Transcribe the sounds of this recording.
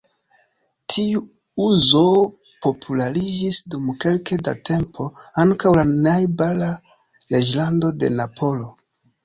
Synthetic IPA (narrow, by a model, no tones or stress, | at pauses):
tʰiu | uzo̞ | po̞pʰulaɾid͡ʒisdumke̞lke̞da̰tʰe̞mpʰo̞aŋkawlanajbala | le̞d͡ʒlando̞de̞̰napʰo̞lo̞